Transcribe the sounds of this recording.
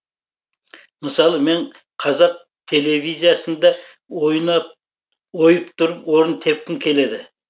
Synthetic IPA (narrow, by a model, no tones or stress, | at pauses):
məsɑlˠəme̞ɴ | qʰɑzɑq̚ | t̪ʰe̞le̞vijzijasənd̪ɑ | jnɑ | ojəpt̪ʰʊɾəpwo̞ɾənt̪ʰe̞p̚kʲɪŋkʲʰe̞le̞d̪ɪ